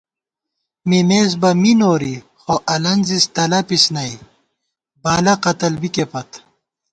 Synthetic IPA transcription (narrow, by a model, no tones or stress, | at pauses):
mimeːs̬bɐminoːɾi | xoʔɐlɐnzist̪ɐlɐpisnɐi | baːlɐqɐt̪ɐlbikepɐt̪